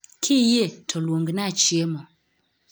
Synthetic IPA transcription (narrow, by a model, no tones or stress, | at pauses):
kʰijetʰɔlwoŋɡinat͡ʃiemɔ